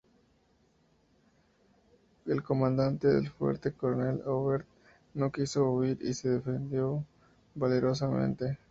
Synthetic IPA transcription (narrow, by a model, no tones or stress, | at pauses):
elko̞mãnd̪ant̪eðe̞̰lfwḛɾt̪e̞koɾoneloβeɾt̪̚ | no̞kiso̞uiɾḭse̞ðe̞fe̞nd̪jo̞ | bale̞ɾo̞s̬amḛ̃nt̪e̞